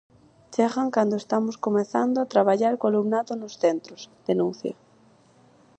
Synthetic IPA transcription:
t͡ʃeɣaŋkand̪oest̪amʊskomeθand̪oat̪ɾaβ̞aʎaɾkalumnaðonosθent̪ɾosd̪̥enũnθjɐ̰

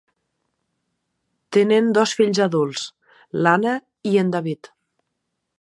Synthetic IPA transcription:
t̪enend̪ɔsfiʎzaðulˠs | lanə | iend̪aβit̪

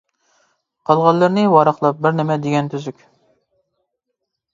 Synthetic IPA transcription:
qʰɑlˠʁɑlːˠɨɾnɨwɑɾɑχlˠɑp̚bɪɾnɪmɛd̪eɡʲɛnt̪ʰyzykʲ

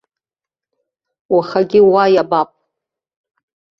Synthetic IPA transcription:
waχaɡʲɪwajabapʼ

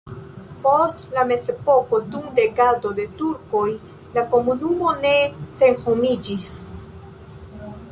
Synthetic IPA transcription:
po̞stlame̞zepo̞ko̞dunɾe̞ɡado̞de̞tuɾko̞j | lako̞munumo̞ne̞se̞nhomid͡ʒis

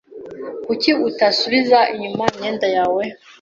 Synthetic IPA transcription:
kuciutasuβizaʔiɲumaimɲeːndajaːwe

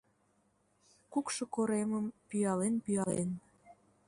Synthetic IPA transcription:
kukʃokoɾeməmpyjɑlenpyjɑlḛn

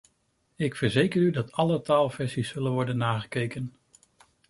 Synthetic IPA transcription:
ɪkfəɹzejkəɾydɑtɑlətaːlˠvɛɹsisːɵlənʋɔɹdənːaːχə̥kejkən

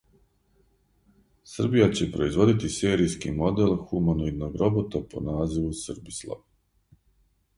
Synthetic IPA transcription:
sɨr̩bijat͡ɕe̞pɾo̞izʋo̞d̪it̪ise̞ːɾijskimo̞d̪elxumanoid̪noɡɾo̞bot̪apo̞̰naːziʋusr̩bislˠa̰ʋ

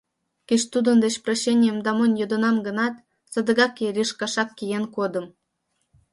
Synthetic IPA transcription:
keʃt̪ud̪ə̆nd̪et͡ɕproɕːenʲijəmd̪ɑmɤnʲjod̪ə̆nɑmɡə̆nɑt̪ | sə̆d̪ə̆ɣɑkeɾʲiʃkɑʃɑkːijenkod̪ə̆m

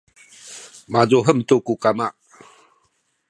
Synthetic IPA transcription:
mazoɦəm̩t̪okukamaʔ

